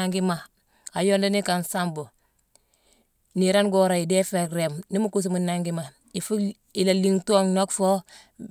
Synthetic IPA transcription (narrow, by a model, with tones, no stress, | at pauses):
a˦ŋɡi˦ma˨ | a˨jo˦nda˦ni˦ka˨nsa˦mbo˨ | niɾa˦nɡo˦ɾa˨i˨de˦fe˨kɾe˨mni˦mu˦ku˦s̬u˦mu˨naŋɡi˦ma˨ | i˨fu˦ | i˨la˨li˦ŋtu˦o˦ŋno˦kfo˦